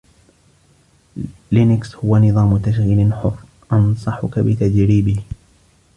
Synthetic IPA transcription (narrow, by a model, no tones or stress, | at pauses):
lɪnɪkshʊwanɨðˤɑːmʊt̪aʃ̬ɣiːlɪnħʊrː | ʔɑnsˤɑħʊkabɪt̪ad͡ʒɾiːbɪh